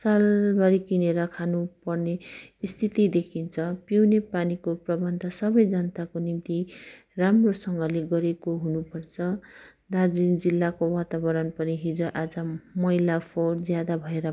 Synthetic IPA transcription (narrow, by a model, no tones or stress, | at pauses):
salbaɾikineɾʌkʰanupʌrneːst̪ʰit̪id̪ekʰint͡sʰʌpiwnepanikoprʌbʌnd̪ʱʌsʌbʌjd͡zʌnt̪akonimt̪i | ramrosʌŋɡʌleɡʌɾekoɦunupʌrt͡sʰʌ | d̪ard͡zind͡zilːakowat̪abʌɾʌnpʌniɦid͡zoʔad͡zʌmʌilapʰord͡zjad̪abʱʌeɾʌ